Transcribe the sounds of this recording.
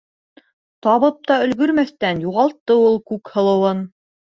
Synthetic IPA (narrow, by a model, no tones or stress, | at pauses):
t̪ɑβɤp̚t̪ɑɵ̆lɡɵ̆ɾmæθt̪ænjuʁɑlˠt̪ːɤulˠkʉkhɤ̆lˠɤ̆wɤn